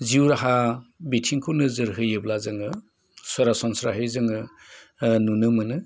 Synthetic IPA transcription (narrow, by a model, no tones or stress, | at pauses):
ziwɾaɦabitʰiŋkʰunɯzɯɾɦɯjɯblazɯŋɯ | sɔɾasɔnsɾaɦɯjzɯŋɯ | nunɯmɯnɯ